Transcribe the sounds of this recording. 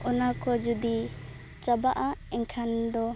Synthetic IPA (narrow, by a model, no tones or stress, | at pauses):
ɔnakʰɔd͡ʒud̪i | t͡ʃabaʔaɛŋkʰand̪ɔ